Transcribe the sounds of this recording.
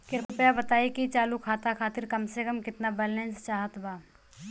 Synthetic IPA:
kɪɾppjabɐt̪aːikit͡ʃaːlukʰaːt̪akʰaːt̪ɪɾkɐmsekəmkɪt̪nabɛːlɛ̃nst͡ʃaːɦət̪baː

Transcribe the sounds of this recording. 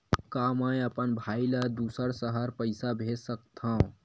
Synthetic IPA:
kamə̃jəpənbʱajlad̪usəɾsəɦəɾpəɪsabʱesək̚t̪ʰã

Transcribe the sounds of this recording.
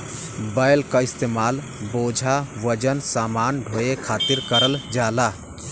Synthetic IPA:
bəjlkaist̪emal | bod͡ʒʱaʋəd͡ʒənsamanɖʱojekʰat̪iɾkəɾəld͡ʒala

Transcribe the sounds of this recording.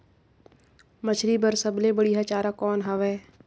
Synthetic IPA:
mət͡ʃʰɾibəɾsəblebəɽiɦat͡ʃaːɾakɔːnɦaʋɛː

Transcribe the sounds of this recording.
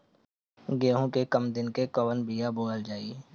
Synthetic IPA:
ɡeːɦõkekəmd̪ɪnkekəʋənbijaboːɡəld͡ʒaːi

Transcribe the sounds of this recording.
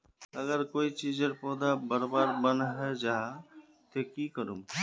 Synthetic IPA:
əɡəɾkoːit͡ʃid͡ʒəɾpɔːd̪abəɾbaːɾbənɦɛd͡ʒaɦa | t̪ekikəɾṵm

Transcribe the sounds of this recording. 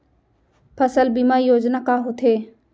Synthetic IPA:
pʰəsəlbimaːɾijoːd͡ʒnaːkaːɦoːt̪ʰeː

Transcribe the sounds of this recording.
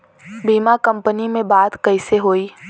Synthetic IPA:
biːmakə̃mpənimẽbaːt̪kəɪseɦoːiː

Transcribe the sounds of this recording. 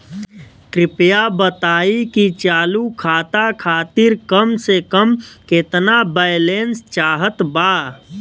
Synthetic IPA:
kɾɪpjabət̪aːikit͡ʃaːlukʰaːt̪akʰaːt̪iɾkəmsekəmket̪nabəjlenst͡ʃaːɦət̪baː

